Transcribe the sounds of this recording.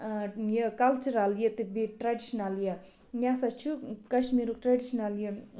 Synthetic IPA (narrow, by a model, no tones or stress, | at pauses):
jəkɐlt͡ʃuɾaljət̪ibiʈɾaɖiʃnaljə | nʲasɐt͡ʃʰukɐʃmiːɾukʈɾaɖiʃnɐljə